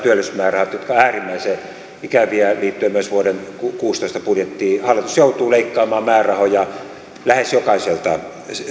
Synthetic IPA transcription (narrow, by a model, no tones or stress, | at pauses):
t̪yølːesmæːrɑhɑt̪jot̪kɑæːrimːæise | ikæʋiæliːt̪ːyøemyøsʋuodenkukuːst̪oist̪ɑpurjet̪ːiːhɑlːit̪usjout̪uːleikːɑːmɑːmæːrɑhojɑ | læhesjokɑiselt̪ɑ